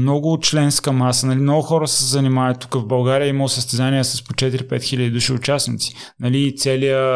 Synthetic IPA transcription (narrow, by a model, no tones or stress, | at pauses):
mnɔɡʊt̪̚t͡ʃlɛnskəmasənɐlimnɔɡʊxɔɾəsə̥szɐnimaɛtt̪ːu̥kəvbɐlˠɡaɾijəiməlˠosəst̪ɛzanijəsɐspot͡ʃɛt̪iɾipɛt̪xilʲəd̪id̪uʃiʊt͡ʃasnit̪si̥ | nɐliːt̪sɛlijə